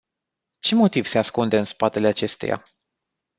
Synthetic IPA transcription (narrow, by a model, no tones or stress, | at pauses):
t͡ʃe̞mo̞t̪iv̥se̞askund̪e̞ɨnspat̪e̞le̞at͡ʃe̞st̪ḛja̰